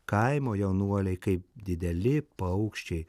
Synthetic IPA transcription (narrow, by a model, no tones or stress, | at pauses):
kɐɪmoːjɛʊnuɔlʲɛɪkɐɪp̚d̪ʲɪd̪ʲɛlʲɪpɐʊkʃʲt͡ʃʲɛɪ